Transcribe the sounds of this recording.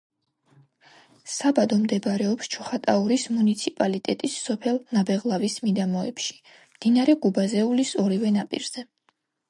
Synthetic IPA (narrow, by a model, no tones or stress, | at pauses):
sabad̪ɔmd̪ɛbɾɛɔpst͡ʃʰuχat̪ʼauɾismunit̪sʰipʼalit̪ʼɛt̪ʼisːɔpʰɛlˠnabɛʁlˠavismid̪amɔɛpʃi̥ | md̪̥inaɾɛɡubazɛulisɔɾivɛnapʼḭɾz̥ɛ